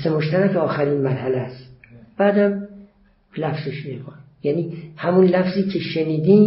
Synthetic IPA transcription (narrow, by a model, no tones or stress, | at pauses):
semoʃt̪æɾækɒːxæɾinmæɾhælæst̪b̥æːd̪æm | læfz̥eʃmekʰonjæniːhæmunlæfziːkʰe̞ʃeniːd̪iːm